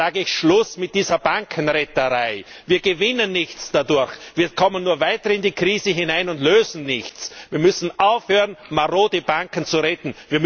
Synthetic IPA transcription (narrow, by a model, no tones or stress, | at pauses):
aːɡəɪçʃlʊsmɪt̚d̥iːzɐb̥aŋkʰənʁɛtəʁaɪ | viːɐɡəvɪnənːɪçt͡sd̥adʊɐçviːɐkʰɔmənːuːɐvaɪtɐɪndiːkʁiːzəɦɪnaɪnʊndtløːzn̩nɪçt͡sviːɐmʏsn̩ʔaʊfhøːʁənmaʁoːdəbaŋkən̩t͡suʁɛtn̩viːɐm